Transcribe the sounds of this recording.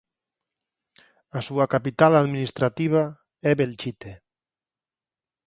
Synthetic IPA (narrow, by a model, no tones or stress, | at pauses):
asuakapit̪alaðminist̪ɾat̪iβ̞a | ɛβelt͡ʃit̪e